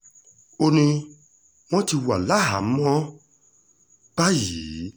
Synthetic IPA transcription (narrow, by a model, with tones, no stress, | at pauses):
o˧nĩ˧ | w̃ɔ̃˦ti˧wa˨la˦ɦa˨m̩˦mɔ̃˦ | ba˦ji˨˦